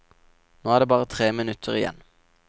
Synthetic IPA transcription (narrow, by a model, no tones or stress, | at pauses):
noːæʁd̪eːbɑːʁət̪ʰʁeːmɪnʉt̪ʰəʁɪjɛ̰n